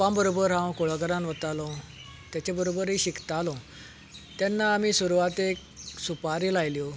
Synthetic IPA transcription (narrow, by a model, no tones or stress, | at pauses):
pãmbəɾobəɾɦãwkoɭaɡəɾãnʋət̪alɔ̃ | t̪jat͡ɕabəɾobəɾɦiːɕikt̪alɔ̃ | t̪janːaːmiːsuɾuʋat̪ek | supaɾilajljɔ